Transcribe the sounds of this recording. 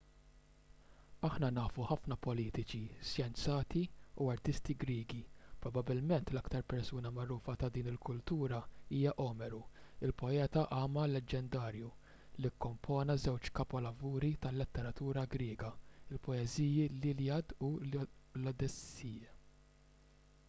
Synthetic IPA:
ɐħnɐnɐːfuħɐfnɐpɔliːt̪ɪt͡ʃisjɛnt͡sɐːt̪iuɐɾt̪ɪst̪iɡɾiːɡipɾɔbɐbːɪlmɛnt̪lɐkt̪ɐɾpɛɾsuːnɐmɐɾuːfɐt̪ɐd̪iːnɪlkʊlt̪uːɾɐiːjɐʔɔːmɛɾuɪlpɔɛːt̪ɐʔɐːmɐlɛd͡ʒːɛnd̪ɐːɾju | likːɔmpʰɔːnɐzɛwt͡ʃkɐpɔlɐvuːɾit̪ɐlːɛt̪ːɛɾɐt̪uːɾɐɡɾɪːɡɐɪlpɔɛziːjililiɐd̪ulɔd̪ɛsiːjɐ

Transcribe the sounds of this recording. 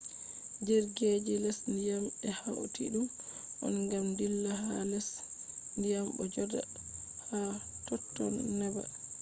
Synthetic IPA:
d͡ʒɛɾɡed͡ʒilɛsndijamɛhaw̰tʰḭɗumʔɔ̰nɡamdilːaɦanɛsndijambɔ̰d͡ʒɔda̰ | hatɔtːɔ̰nːɛba̰

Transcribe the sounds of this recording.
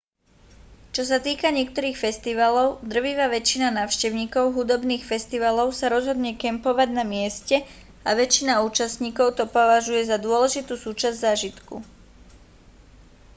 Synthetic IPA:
t͡ʃɔs̬at̪iːkaɲɪɛk̚t̪ɔɾiːxfɛst̪iʋalɔʊd̪r̩ʋiʋaːʋɛt͡ʃinanaːʊʃcɛʊɲiːkɔʊɦud̪ɔbniːxfɛst̪iʋalɔʊsaɾɔzɦɔd̪ɲɛkɛmpɔʋaɟnamɪɛscɛ | aʋɛt͡ʃinauːt͡ʃasɲiːkɔʊt̪ɔpɔʋaʒujɛzad̪ʊɔlɛʒit̪uːsuːt͡ʃazɟzaːʒit̪kṵ

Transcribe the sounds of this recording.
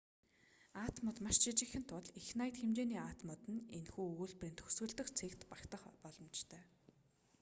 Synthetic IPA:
aːt̪mʊt̪maʃt͡ɕʰit͡ɕɪ̆xɘ̆n̥t̪ʰʊɮixnajə̆t̪xemt͡ɕeːniːaːt̪mʊt̪ɘ̆nenxuːuːɮprĭːnt̪ʰɵ̥swɵ̆ɮt̪ɵ̆xt͡sʰekt̪pakt̪ə̆χpɔɮɞ̆mt͡ɕt̪ʰœː

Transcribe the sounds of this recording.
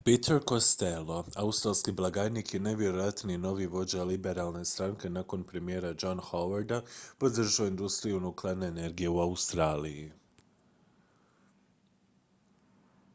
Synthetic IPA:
pit̪ʰeɾkost̪elˠo̞aust̪ɾalˠskiblˠaɡaɾnikjeneʋje̞ɾo̞jat̪nino̞ʋiʋo̞d͡ʑalibe̞ɾalˠne̞st̪ɾaŋke̞nako̞npɾe̞mije̞ːɾad͡ʒonhoʋaɾd̪apo̞d̪r̩ʒaoind̪ust̪ɾijunuklˠaɾneene̞ɾɡije̞uaust̪ɾaːliji

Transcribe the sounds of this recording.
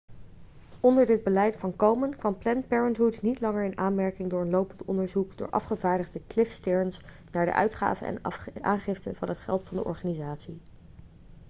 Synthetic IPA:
ɔndəɹdɪd̚bəlɛjtfɑnkowmənkʋɑnplɛnpɛɹəntɦutnitlɑŋəɹɪnʔaːnmɛɹkɪŋdʊːɹənlowpəntɔndəɹzukdʊ̰ːɹʔɑ̰fχəvaːɹdəχdəklɪfstɪɹns | naːɹdə̰ʔœ̰ɥtχa̰ːvə̰nɛ̰nʔa̰ːnχɪftənvɑnɦətχɛ̰lˠtfɑndəʔɔ̰ɹχaːnizaːtsi

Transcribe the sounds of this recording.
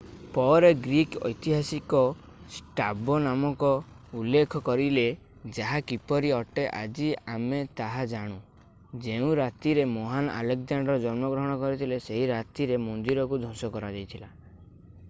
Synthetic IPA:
pɔɾeɡɾikɔ̰jt̪iɦasikɔ | sʈabɔnamɔkɔ | ulːekʰɔkɔɾile | d͡ʒaɦakipɔɾiɔʈeʔa̰d͡ʒiamet̪aɦad͡ʒaɽ̃u | d͡ʒeũɾat̪iɾemɔɦana̰lekd͡ʒaɳɖɔɾɔd͡ʒɔnmɔɡɾɔɦɔɽ̃ɔkɔɾit̪ʰileseɦiɾat̪iɾemɔnd̪iɾɔkud̪ʱosɔkɔɾad͡ʒajt̪ʰila

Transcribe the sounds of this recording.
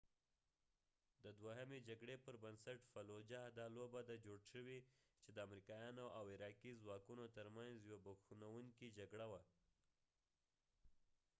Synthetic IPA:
d̪əd̪waɦamed͡ʒaɡɽepəɾbənsaʈfalod͡ʒahd̪ɑlobad̪ad͡ʒoɽʃəwit͡ʃed̪əamɾikɑjɑnoʔawɪɾɑkizwɑkunot̪əɾmanzjwabaxunawuŋkid͡ʒaɡɽawa

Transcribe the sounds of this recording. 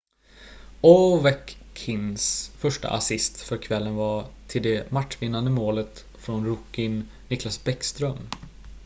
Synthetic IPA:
ɔvɛkʰːɪnsfœʂʈa̰ʔa̰sɪst̪fœɾkʰvɛlːənvat̪ʰɪld̪ɛmaʈʂvɪnːand̪əmoːlət̪ | fɾɔnɾʊkːɪnː | ɪklasbɛkst̪ɾœm

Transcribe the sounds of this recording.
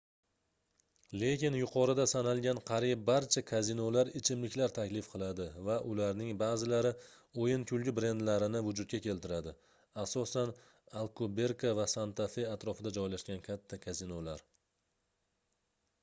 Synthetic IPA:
le̞kʲɪnjʊqʰɒɾɪd̪asanalɡʲanqʰɑɾijp̚bːaɾt͡ʃʰakʰazinolaɾɪt͡ʃʰɪmlɪkʲlaɾt̪ʰakʲlɪfqʰɨlˠad̪ɪvaʔʊlaɾnɪŋbaːzɪlaɾɪ | ojɪnkʲʰʊlɡʲɪbɾe̞nd̪laɾɪnɪvʊd͡ʒʊt̪̚kʲakʲʰe̞lt̪ɪɾad̪ɪ | asɒsan | alˠkʰobe̞ɾkavasant̪ʰafe̞at̪ɾɒfɪd̪ad͡ʒɒjlaʃɡʲankʲʰat̪ʰːakʰazinolaɾ

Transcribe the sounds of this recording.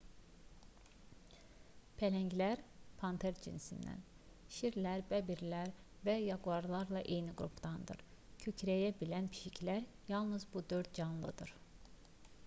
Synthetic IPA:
pʰælæɲɟlæɾpʰɑnt̪ʰeɾd͡ʒʰḭnsḭnd̪æ̰n | ʃiɾlʲæɾbæbiɾlæɾ | væjɑɡuɑɾlˠɑɾlˠɑʔejniɡɾṵpʰt̪ɑnd̪ɯ̰ɾcʰycʰɾæjæbilænpʰi̥ʃicʰlʲæɾ | jɑlˠnɯzbud̪øɾd̪̚d͡ʒɑnlˠɯd̪ɯɾ̥

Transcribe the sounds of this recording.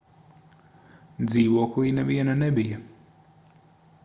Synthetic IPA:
d̪ziːʋoːklinɛʋiɛnanɛbija

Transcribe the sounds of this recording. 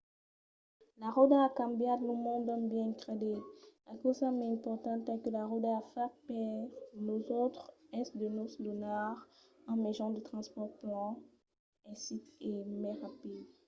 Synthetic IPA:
laʁod̪akɑ̃mbjad̪lomɔ̃d̪ɔ̃mbjɛ̃kʁed̪elʔakosamɛɛ̃pɔʁt̪ɑ̃t̪ɛkəlaʁod̪afɛʁpɛʁnozot̪χɛsd̪ənoslonaʁ | ɑ̃mezɔ̃d̪ət̪χɑ̃spɔʁplɑ̃ | ɛ̃sitemɛ̃ʁapid̪

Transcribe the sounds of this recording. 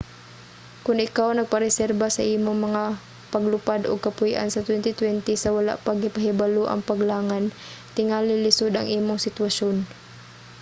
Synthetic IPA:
kʊnʔɪkawnɐɡ̚pɐɾɛsɛɾbasɐʔiːmʊŋmɐŋa | pɐɡlʊpad̪ʊɡ̚kɐpʊiʔa̰nsɐt̪wɛnt̪ɪt̪wɛnt̪ɪsɐwala̰ʔpaɡɪpɐɦɪbaloʔɐ̰ŋpɐɡlaːŋan | t̪ɪŋalɪlɪsʊd̪ʔɐŋʔiːmʊŋsɪt̪waʃon

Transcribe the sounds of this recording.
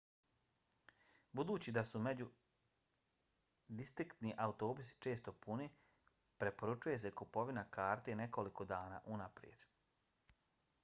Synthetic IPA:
bud̪uːt͡ɕid̪asume̞d͡ʑu | d̪ist̪ɾikt̪niʔaut̪o̞ːbusi̥t͡ʃe̞ːst̪o̞puni | pɾe̞po̞ɾut͡ʃuje̞se̞kupo̞ʋinakaːɾt̪ene̞ko̞liko̞d̪aːna̰ːʔunapɾijḛd̪̥

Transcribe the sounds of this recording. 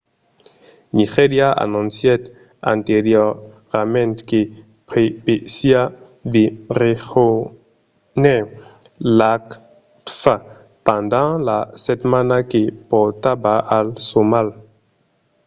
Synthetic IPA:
niʁeɾjaʔa̰nɔ̃nsjɛt̪ | ã̰nt̪eʁjɔ | ʁmɛ̃nt̪ke | pepesia | beʁeʁo | nɛ | lak | t̪fa | pɑ̃nd̪ɑ̃lasɛt̪manakepɔʁt̪abaalsomal

